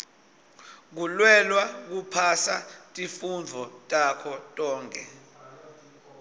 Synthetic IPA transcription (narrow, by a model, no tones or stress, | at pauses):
k̬ulwɛlwak̬upʰasatʼifund͡zʱɔtʼakʰɔtʼɔːŋkʰʼɛ̰